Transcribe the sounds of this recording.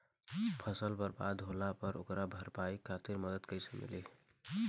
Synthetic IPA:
pʰəsəlbəɾba̰d̪ɦolapəɾʔokɾabʱəɾpaikʰat̪iɾməd̪əd̪kəjsəmḭli

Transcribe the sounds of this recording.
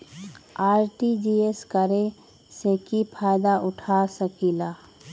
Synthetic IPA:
aːɾʈid͡ʒiːeskəɾe | sekipʰaːjd̪aʔʊʈʰaːsəkilaː

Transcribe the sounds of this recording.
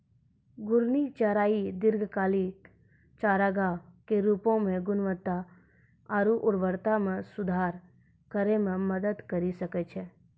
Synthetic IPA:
ɡʊɾnit͡ʃaɾaːid̪ɪɾɡʱkaːlik | t͡ʃaːɾaːɡakeɾuːpõmẽɡʊnʋət̪ːa | aɾuʔʊɾʋəɾt̪amẽsʊd̪ʱaːɾ | kəɾemẽməd̪əd̪kɐɾisɐkɛt͡ʃʰɛ

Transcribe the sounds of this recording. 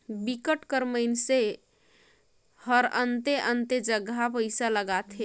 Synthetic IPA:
bikəʈkəɾməɪnse | həɾənt̪eʔənt̪ed͡ʒəɡapəɪsaləɡat̪ɦe

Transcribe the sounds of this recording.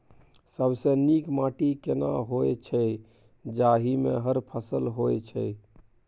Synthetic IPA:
səbsenikmaʈikena̰ɦojt͡ʃʰɛ | d͡ʒaɦimḛɦəɾpʰəsəlɦojt͡ʃʰɛ̰

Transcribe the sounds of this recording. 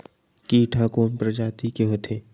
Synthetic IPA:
kiːʈʰakoːmpɾɐd͡ʒaːt̪ikeɦot̪ʰeː

